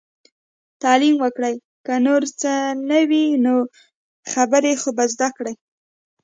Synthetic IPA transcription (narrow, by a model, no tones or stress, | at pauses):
t̪ɑlimwəkɽəj | kənoɾt͡sənəwino | xabəɾexobazd̪akɽəj